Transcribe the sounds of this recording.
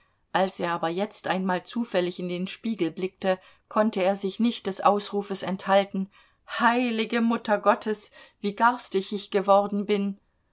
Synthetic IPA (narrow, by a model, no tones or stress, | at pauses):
ʔalseːɐaːbɐjɛt͡stʔaɪnmaːlt͡suːfɛlɪçɪndeːnʃpiːɡl̩blɪk̚tə | kʰɔntəeːɐzɪçnɪçt̚d̥ɛsʔa̰ʊsʁuːfəsɛnthaltn̩ | haɪlɪɡəmʊtɐɡɔtʰəsv̥iːɡaɐstɪçɪçɡ̥əvɔʁdn̩bɪn